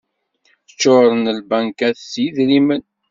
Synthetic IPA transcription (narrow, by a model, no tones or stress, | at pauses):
θə̥t͡ʃːoɾˤənəlbæŋkæθsjiðɾimən